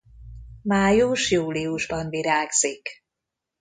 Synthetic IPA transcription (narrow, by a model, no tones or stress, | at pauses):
maːjuʃjuːliuʒbɒnviɾaːɡz̥ik